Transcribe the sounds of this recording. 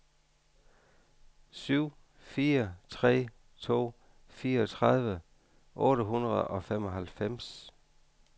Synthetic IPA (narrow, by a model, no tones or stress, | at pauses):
syʊ̰ | fiːɐt͡sʰʁɛ̰ː | t͡sʰo̝̰ː | fiːɐɒt͡sʰʁɑð̞ˠʋə | ʔɔ̽ːɾəɦunʁɐð̞̩ˠɒ̽femɒ̽ɦælfem̰s